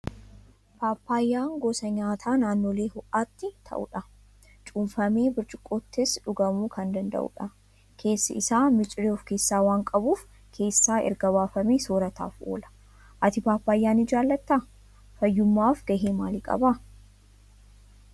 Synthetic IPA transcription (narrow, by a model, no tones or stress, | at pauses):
paːpːaːjːaːŋɡoːsɐɲaːt̪ʰaːnaːnːoːleːhʊʔaːt̪ːɪt̪ʰɐ̰ʔṵᶑɐ | t͡ʃʼumfɐmeːbɪɾt͡ʃʼɪkʼːot̪ːɪsᶑʊɡɐmuːkʰɐnd̪ɐnd̪ɐ̰ʔʊ̰ᶑɐ | kʰe̞ːsːɐ̰ɪsaːmɪt͡ʃʼɪɾeːɔfke̞ːsːaːwaːŋkʼɐbuːf | kʰe̞ːsːaːʔɛ̰ɾɡɐβaːfɐmeːsoːɾɐt̪a̰ːfʔo̰ːlɐ̥ | ʔɐt̪ɪpaːpːaːjːaːnɪd͡ʒaːlːɐt̪ːɐ | fɐjːʊmːaːfɡɐɦeːmaːlɪkʼɐ̰bɐ